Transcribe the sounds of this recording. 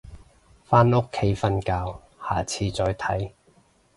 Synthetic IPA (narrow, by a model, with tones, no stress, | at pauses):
faː˥no˥kʰːe˨˥jfɐ˧nkaː˧w | ha̰ː˨t͡sʰiː˧t͡sɔː˧jt̪ʰɐ˨˥j